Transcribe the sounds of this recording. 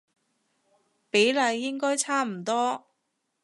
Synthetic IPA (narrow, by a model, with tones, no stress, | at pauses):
pe˨˥jlɐ˨˧jːɪ˥ŋkɔː˥jt͡sʰaː˥m̩˨˩t̪ɔː˥